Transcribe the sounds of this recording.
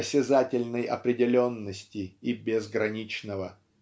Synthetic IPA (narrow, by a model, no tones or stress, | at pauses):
sʲɪzatʲɪlʲnəjɐ̰pɾʲɪdʲɪlʲo̞nːəsʲtʲɪibʲɪzɡɾɐnʲit͡ɕnəvə